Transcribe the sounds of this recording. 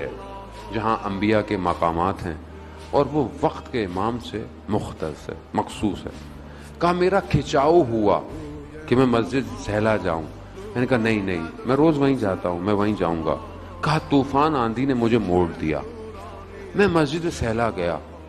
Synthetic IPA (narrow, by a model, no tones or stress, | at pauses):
ɛ̰ː | d͡ʒɐɦãʔɐ̃mbijakemɐqaːmaːt̪ɦɛ̰̃ː | ɔːɾʋoʋɐqt̪keɪmaːmse | mʊxt̪ə̰sɦɛ̰ːmɐqsuːsɦɛ̰ː | kɐɦameːɾakʰɪt͡ʃaːoɦua̰ː | kemɛ̃ːmɐzd͡ʒɪd̪sɛːɦlad͡ʒa̰ːṵ̃ː | mɛ̃ːnekaɦanɐɦĩnɐĩmɛ̃ɾoːzʋɐɦĩd͡ʒaːt̪aɦũmɛ̃ʋɐɦĩd͡ʒa̰ːũːŋɡa̰ː | kɐɦat̪uːfaːnãːnd̪ʱinemʊd͡ʒʱemoːɽd̪ija̰ː | mɛ̃ːmɐzd͡ʒɪd̪sɛːlaɡɐja̰ː